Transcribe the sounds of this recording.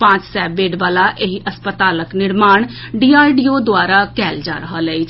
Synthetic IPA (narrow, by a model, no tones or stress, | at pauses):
pãːt͡ʃsɛːbeːɖʋaːlaːʔeɦiʔəspət̪aːləknɪɾmaːɳ | ɖiːaːjɖiːoːd̪ʊaːɾaːkɛːld͡ʒa̰ːɾəɦələiːt͡ʃ